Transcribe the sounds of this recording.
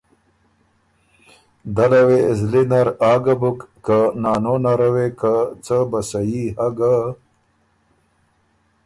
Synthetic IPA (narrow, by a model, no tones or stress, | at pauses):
d̪alawezlinaɾɑːɡabukːanɑːnonaɾawekat͡səbasajihaɡa